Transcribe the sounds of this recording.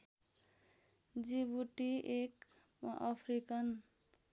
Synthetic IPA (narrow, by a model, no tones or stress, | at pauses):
d͡ziβuʈiek | ʌ̰pʰrikʌn